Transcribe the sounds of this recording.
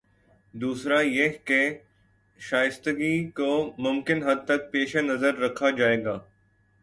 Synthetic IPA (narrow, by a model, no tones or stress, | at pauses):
d̪uːsɾajeɦke | ʃaːjɪst̪əɡikomʊmkɪnɦɐd̪̚t̪ɐk̚peːʃanɐzəɾːɐkʰːad͡ʒaːeːɡaː